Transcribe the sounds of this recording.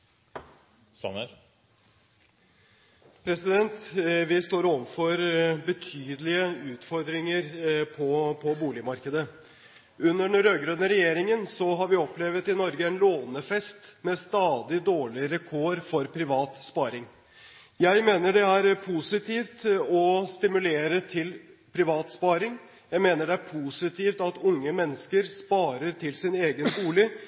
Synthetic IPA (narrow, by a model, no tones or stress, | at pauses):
sɑ̰nəɾ | pʰɾɛsɪd̪ɛnt̪ʋɪst̪oːɾoːʋəfɔɾbət̪ʰyːd̪əlɪəʉːt̪fɔɾd̪ɾɪŋəɾpʰɔpʰɔbuːlɪmɑɾkəd̪ə | ʉnːəɳɔɾøːɡɾønəɾɛjeːɾɪŋənsɔɦɑɾʋɪɔplɛʋət̪ɪnɔɾɡəɛnloːnəfɛst̪mɛst̪ɑːd̪ɪd̪oːɭɪɾɛkʰɔɾfɔɾpʰɾɪʋɑːt̪spɑːɾɪŋ | jæɪmeːnəɖɛæɾpʰusɪt̪ʰiːft̪ɔst̪ɪmʉleːɾət̪ʰɪlpʰɾɪʋɑːt̪spɑːɾɪŋ | jæɪmeːnəɖɛæɾpʰusɪt̪ʰiːft̪ɑt̪ʊŋːəmɛnːəskəɾspɑːɾəɾt̪ʰɪlsɪneːɡənbuːlɪ